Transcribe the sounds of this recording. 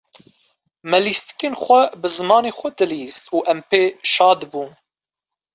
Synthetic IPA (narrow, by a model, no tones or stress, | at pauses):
mɛlist̪i̥keːnxʷɛbɨzɨmɑːneːxʷɛd̪ɨliːzuːʔɛmpeːʃɑːd̪buːn